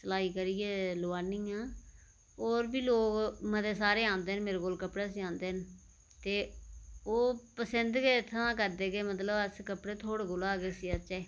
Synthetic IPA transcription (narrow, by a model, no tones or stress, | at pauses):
səlaːiːkəɾijeːloːaːniːãː | oːɾbiːloːkməd̪eːsaːɾeːãːnd̪eːənmeːɾeːkoːlkəpɽaːsiːãːnd̪eːɦən | t̪eːoːpəsənd̪keːt̪ʰːəʋãːk̬əɾd̪eːkeːmət̪ləbəskəpɽeːt̪ʰoːɽeːkolaːɡeːsiːət͡ʃɛː